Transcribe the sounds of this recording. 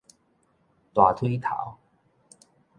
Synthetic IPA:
t̪wa˨˩t̪ʰwi˥˦t̪ʰa̰˨˦w

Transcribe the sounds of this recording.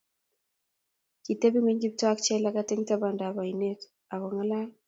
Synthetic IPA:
ki˨te˦bi˦ŋwe˦ɲɡi˦p̚twa˦k̚t͡ʃɛ˦la˦ka˦tɪ˦ŋta˦ba˨nda˨ba˨i˨ne˦k | a˨kɔ˨ŋa˦la˦

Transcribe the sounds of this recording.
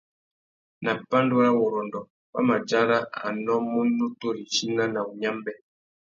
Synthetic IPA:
na˨pa˦ndu˦ɾa˦wɔ˨ɾɔ˨ndɔ˨ | ba̰˦ma˨d͡ʒa˦ɾa˦a̰˨nɔ˦mu˦nu˦to˦ɾi˨ʃi˦na˦na˨u˨ɲa˦mbɛ˦

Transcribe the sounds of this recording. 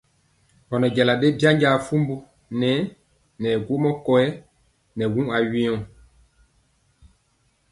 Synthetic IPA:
hɔ˨nɔ˨ɟɛ˨la˨ɗe˦bi˦a˦ɲɟa˨fu˦mbu˦ | nɛ˨˦ | nɛ˨ɡwo˦mɔ˦kɔ˨ɛ˦ | nɛ˨wũ˦a˨ɥĩ˦ɔ̃˦˨

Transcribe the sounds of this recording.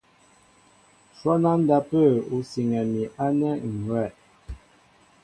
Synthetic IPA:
ʃwɔ˦na˦n˦da˦pə˦˨u˨si˨ŋɛ˨mi˨ʔa˦nɛ˦ŋ̩˨ɡwɛ˦˨

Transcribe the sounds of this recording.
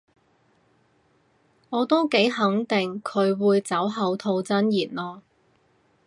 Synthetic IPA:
ŋɔː˨˧t̪o˥wke˨˥jɦɐ˨˥ŋt̪ɪ˨ŋkʰɵ˨˧ɥwuː˨˧jt͡sɐ˨˥wɦɐ˨˧wt̪ʰo˧wt͡sɐ˥njiː˨˩nlɔː˧

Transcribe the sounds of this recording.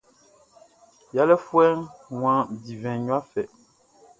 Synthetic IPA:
ja˦lɛ˦fu˦ɛ˦ŋwã˨˦˨di˨vɛ̃˨ɲwa˦fɛ˨

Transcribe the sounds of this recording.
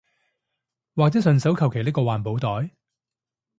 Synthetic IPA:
waː˨k̚t͡sɛː˨˥sɵ˨nsɐ˨˥wkʰɐ˨˩wkʰe˨˩jlɪ˥kɔː˧waː˨˩npo˨˧˥wt̪ɔː˨˥j

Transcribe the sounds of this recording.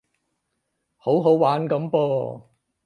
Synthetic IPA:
ho˨˥wɦo˨˥wwaː˨˥nkɐ˨˧˥mpɔː˧

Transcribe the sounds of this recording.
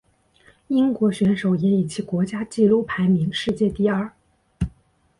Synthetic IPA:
i˥ŋkwɔ˧˥ɕɥɛ˧˥nʂo˨˩ʊjɛ˧˥ni˨˩t͡ɕʰi˧˥kwɔ˧˥t͡ɕja˥t͡ɕi˥˧lu˥˩pʰa˧˥ɪmi˧˥ŋʂɻ̩˥˧t͡ɕjɛ˥˧t̪i˥˧ɐ˞˥˩

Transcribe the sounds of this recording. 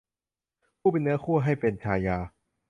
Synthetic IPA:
kʰuː˥˩pe˧nːɯ˦ɐkʰu˥˩ɐɦa˥˩jpe˧nt͡ɕʰaː˧jaː˧

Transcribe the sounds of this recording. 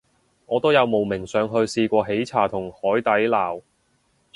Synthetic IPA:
ŋɔː˨˧t̪o˥wjɐ˨˧wmo˨˩wmɪ˨˩ŋsœː˨˧ŋɦɵ˧ɥsiː˧kʷɔː˧ɦe˨˥jt͡sʰaː˨˩t̪ʰʊ˨˩ŋhɔː˨˥jt̪ɐ˨˥jlaː˨˩w

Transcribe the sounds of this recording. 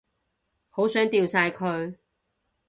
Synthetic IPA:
ho˨˥wsœː˨˥ŋt̪iː˧wsaː˧jkʰɵ˨˧ɥ

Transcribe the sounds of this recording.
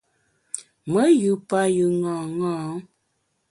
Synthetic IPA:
mə˨˦jɨ˨˦pa˦jɯ˨ŋɔ̃ː˨ŋɔ̃ː˦˨

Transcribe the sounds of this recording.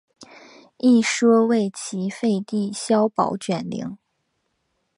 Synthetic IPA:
i˥˩ʂɤ˥we˥˩ɪt͡ɕʰi˧˥fe˥˧ɪt̪i˥˩ɕjɑ˥ʊpɑ̰˨˧˥ʊt͡ɕɥɛ˨˩nlḭ˧˥˦ŋ

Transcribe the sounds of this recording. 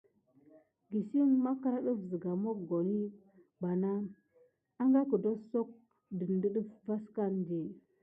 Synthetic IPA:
ɡi˨si˦nma˦ka˦ɾa˦ɗə˦vzə˨ɡa˨mo˦kɡo˨ni˦ | ba˨na˦ | a˦ŋɡa˦kə˨do˦so˦k̚ | də˨n˦də˦ɗə˦fva˦ska˦nde˨

